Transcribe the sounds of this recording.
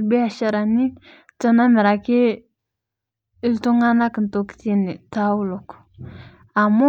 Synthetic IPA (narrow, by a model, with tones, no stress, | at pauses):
lbe˦a˨ʃa˨ɾa˨ni˦ | tə˦na˦mɛ˨ɾa˨ke˦ | i˦lto˦ŋa˦na˦kə˨nto˨ki̥˦t̪i˦ni˨ta˦wu˦lo˨k | a˨mo˦